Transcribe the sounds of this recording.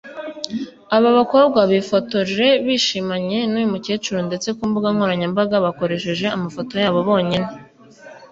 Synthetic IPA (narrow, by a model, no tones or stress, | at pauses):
aβaβako̞bɡwaβifoto̞ʒe̞βiːʃimaɲe̞nujumuce̞ːt͡ʃuɾonde̞t͡se̞kuːmbuɡaŋhoɾaɲambaɡaβako̞ɾe̞ʃe̞ʒe̞amafo̞to̞jaːβo̞βo̞ːɲene